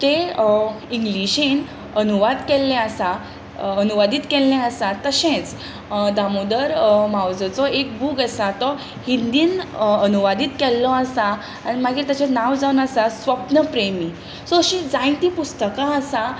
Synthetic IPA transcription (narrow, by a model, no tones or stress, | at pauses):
t̪e | iŋɡliɕin | ənuʋad̪kɛlːɛ̃asa | ənuʋad̪it̪kɛlːɛ̃asat̪əɕẽt͡s | d̪amod̪əɾmawd͡zət͡sɔek̚bʱuːɡəsat̪ɔ | hind̪iːnənuʋad̪iːt̪kɛlːɔasaː | ɽ̃imaɡiːɾt̪jat͡ɕenaʋd͡zaunasasʋəpnəpɾemi | sɔɕĩd͡zãj̃t̪iːpust̪əkãəsa